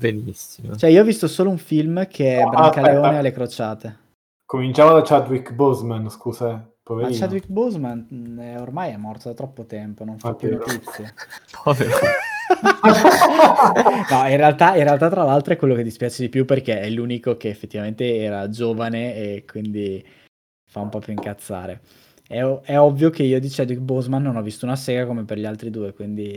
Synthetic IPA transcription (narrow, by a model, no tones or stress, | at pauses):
benisːimo̰t͡ʃoɛiːoɔvist̪osoːlouɱfilmkʰeɛbɾakaleoːnealːekɾot͡ʃaːt̪e | komint͡ʃaːmod̪at͡ʃad̪wikbuzmanskuːza | poveɾaɾit͡ʃad̪wikbuzmanɛormajɛmːɔrt̪od̪at̪ɾɔpːot̪ɛmponoɱfapjuuɾip̪it̪sːjepʰɔveɾ | nɔinrealt̪ainrealt̪̬at̪ːɾalalt̪ɾoɛkwelːoked̪ispjaːt͡ʃed̪ipjuperkeɛluːnikok̟eːfːet̪ːivament̪eɛːɾad͡ʒoːvaneekwind̪i | faumpɔpjoiŋkat̪sːa̰ːɾe | ɛɛɔvːjokeiːod̪it͡ʃɛd̪wik̚bozmanːonɔvisːt̪uunaseːɡakomeperʎialt̪ɾid̪uːekwind̪i